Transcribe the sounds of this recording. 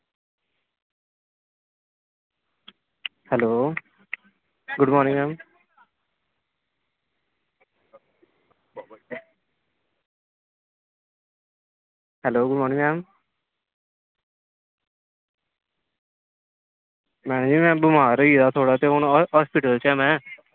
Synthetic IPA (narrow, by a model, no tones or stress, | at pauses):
hɛloː | ɡʊɖmɔːɾnĩŋmɛːm | hɛloːɡʊɖmɔːɾnɪ̃ŋmɛːm | mɛ̃ːnd͡ʒimɛ̃ːbʊmaːɾiːd̪at̪ʰoːɽat̪eoñɦɔːspiʈəlt͡ʃɛ̃ːmɛ̃ː